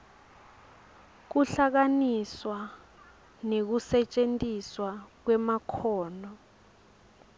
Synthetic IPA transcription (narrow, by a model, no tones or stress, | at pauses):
k̬uɬak̬aniswa | nek̬usɛt͡ʃʼentʼiswak̬wɛmakʰɔːnɔ